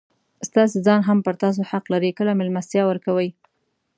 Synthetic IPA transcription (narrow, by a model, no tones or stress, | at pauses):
st̪ɑs̬ezɑnɦampəɾt̪ɑs̬ohaqlaɾikəlamɪlmasjɑwəɾkawəj